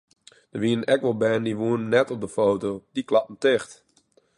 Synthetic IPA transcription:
d̥əʋiəənɛkʋɔlˠbɛndiʋuənnɛtɔp̚dəfoːtodiklɑpm̩tɪxt

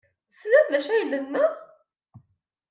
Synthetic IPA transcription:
θəslæθðæʃæjəlːənːə

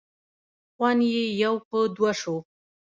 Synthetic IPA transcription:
xwanjejawpəd̪waʂo

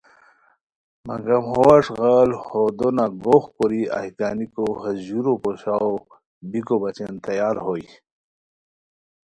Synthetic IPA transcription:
mɐ̰ŋɡɐmhowaʂɣalhod̪onaɡoxkoɾia̰hikaːnikohɐzuɾopoɕaw | bikobɐt͡ɕent̪ɐjaːlhoj

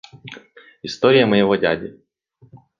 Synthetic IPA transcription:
ɪst̪oɾʲɪjəmɐjɪvɔdʲadʲɪ

